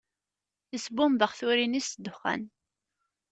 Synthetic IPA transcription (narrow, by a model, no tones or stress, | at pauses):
θəsbʊmbəʁθʊɾinisd̪ːʊχːæ̰n